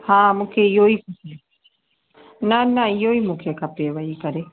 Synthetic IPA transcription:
hamukʰejoikusi | nanãijoimũkʰekapeβaikaɾe

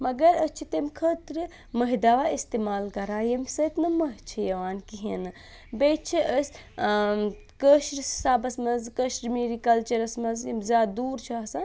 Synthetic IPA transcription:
mɐɡɐɾəst͡ʃʰit̪emkʰəːt̪ɾɨ | mɐɦid̪aʋaist̪eːmaːlkɐɾaːjɐmsɐt̪nɐmɐɦt͡ʃʰijɐʋaːnkiɦḛnɨ | bet͡ʃʰiʔəsʲ | kəʃɾissaːbɐsmɐzkəʃɾmiːɾikɐlt͡ʃɐɾɐsmɐnzjɐmzʲaːd̪d̪uːɾt͡ʃʰasa

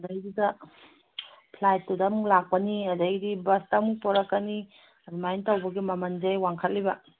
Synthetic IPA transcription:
ɐdɐjdidɐ | pʰlajtːudamulak̚pɐniɐdajdibɐstamupɔɾɐkːɐni | ɐdumajntawbɐɡimɐmɐnd͡ʒajwaŋkʰɐlːibɐ

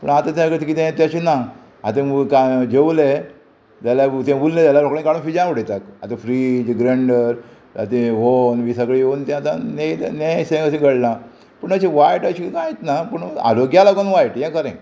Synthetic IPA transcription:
pə̰ɳat̪ãt̪jakəɽet̪ikit̪ẽt̪jaɕina | at̪ẽkad͡ʑewle | t̪alat̪ãbulnẽt̪jaljaɾokɭẽnkaɽunfid͡ʑauɽet̪ak̪at̪ãfɾid͡ʑɡɾəɳɖəɾ | a̰t̪ẽɦonʋisakɭiont̪ãt̪anenesẽɡəsĩɡəɽlã | pəɳat͡ɕiʋajʈaɕikãjet̪napəɳa̰ɾoɡjalaɡonʋajʈjɛ̃kəɾḛ̃

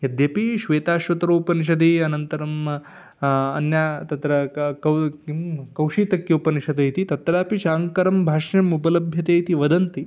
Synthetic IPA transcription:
jɐd̪jɐpiʃʋeːt̪aːʃʋɐt̪ɾoːpɐniʃ̬ɐd̪̬eːɐnɐnt̪ɐɾɐm | ɐ̰njaːt̪ɐt̪ɾɐkɐ | kɐwʂiːt̪ɐkjoːpɐniʃɐd̪ɐjt̪it̪ɐt̪ɾaːpiʃaːŋkɐɾɐmbʱaːʂɐmupɐlɐbʱjɐt̪ejt̪iʋɐd̪ɐnt̪i

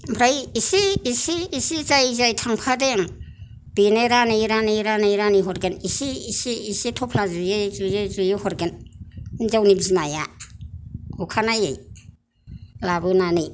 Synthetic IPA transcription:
bʰʱɾajisiːsiːsizajzajtʰaŋpʰadeŋ | b̥ineɾanijɾanijɾanijɾaniɦɔɾɡenisiːsiːsitʰɔpʰlazɯjezujezujihɔɾɡen | zawnizimaja̰ | ukʰanajḛj | labɯnanij

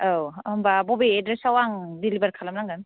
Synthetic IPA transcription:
owmbabobiedɾesawaŋdilibaɾkʰalamnaŋɡan

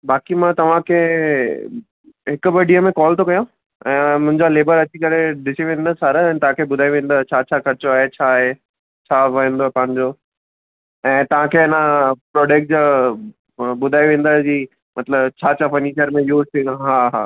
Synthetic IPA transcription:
baːkimãt̪ɐʋ̤ãkʰeː | ɦɪkʊbəɖʱiəmẽkɔːlt̪ʰokɐjõ | ɛ̃ːmʊ̃ɦɪ̃ɲd͡ʑaleːbəɾɐt͡ɕikɐɾeɗɪsiʋẽːn̆d̪əsaːɾəɛ̃ːt̪ɐʋãkʰeːbʊd̪ʱaːiʋẽːn̆d̪at͡ɕʰaːt͡ɕʰakʰɐɾɪt͡ɕoaːɦet͡ɕʰaːɦe | t͡ɕʰaːʋɐĩːnd̪opɐɦə̃ɲd͡ʑoː | ɛ̃ːt̪ɐʋ̤ãkʰeːɐnapɾɔːɖeːk̚ʈ̚d͡ʑa | bʊd̪ʱaːiʋẽːn̆d̪ad͡ʑiː | mɐt̪ləbt͡ɕʰaːt͡ɕʰafɐɾniːʃəɾmẽjuːzt̪ʰĩɦaːɦa̰ː

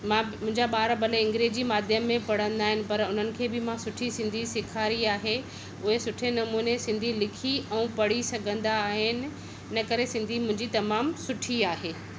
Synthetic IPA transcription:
mãːmʊ̃ɦɪ̃ɲd͡ʑaɓaːɾbɐleɪ̃ŋɡɾeːd͡ʑimaːd̪ʱjəmːẽpɐɽ̤ə̃nd̪aːɦɪnɪ̆pɐɾʊn̤ənɪ̆kʰeːbɪmãsʊʈʰisɪ̃nd̪ʱisɪkʰaːɾiaːɦe | ʊɦesʊʈʰenɐmuːnesɪ̃nd̪ʱilɪkʰiɛ̃ũpɐɽisɐɡʱə̃nd̪aːɦɪnɪ̆ː | ɐkɐɾesɪ̃nd̪ʱimʊ̃ɦɪ̃ɲd͡ʑit̪ɐmaːmsʊʈʰiaːɦeː

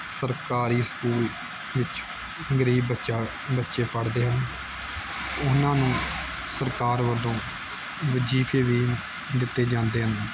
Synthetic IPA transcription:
səɾkaːɾiːsə̥kuːl | ʋɪt͡ʃ | ɡəɾiːbəʃaː | bətːʃeːpəɽd̪eːɦən | ʊnãːnũː | səɾkaːɾʋəlõː | ʋəd͡ʒiːpʰeːʋiː | d̪ɪt̪ːeːd͡ʒãːnd̪eːɦən

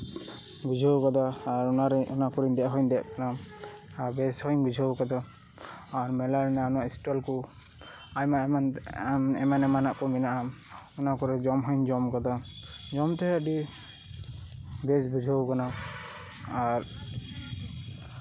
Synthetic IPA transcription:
ɡud͡ʒʱɔwkad̪aːɾunaɾunakɔɾind̪ɛʔɦɔjnd̪ɛʔkanaabɛshɔjnɡud͡ʒʱɔwkad̪a | aɾmɛlaɾinaunaisʈɔlkɔ | ajmaan | ɛmanɛmanaʔkɔminaʔamunakɔɾɛd͡ʒɔmɦɔjnd͡ʒɔmkad̪ad͡ʒɔmt̪ɛɦɛadi | bɛs̬bud͡ʒʱɔwkana | aɾ

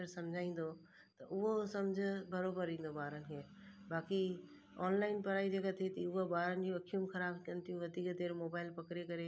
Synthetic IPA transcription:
əɾsɐmd͡ʑʱaːĩːn̆d̪o | tt̪ɐʔʊɦosɐmd͡ʑʱʊ̆bɐɾoːbəɾĩːn̆d̪obaːɾənkeː | baːki | ɔːnlaːɪnpɐɾaːid͡ʑɐɡat̪ʰet̪iʊɦobaːɾənɪ̆d͡ʑũɐkʰijũmxɐɾaːbkɐnt̪ʰjũʋɐd̪ʱiːkd̪eːɾmoːbaːɪlpɐkɾekɐɾe

